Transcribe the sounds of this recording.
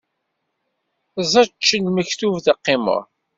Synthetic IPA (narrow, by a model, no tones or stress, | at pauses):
zˤɑt͡ʃːənməçθuvðɑqːɪmə̰ʁ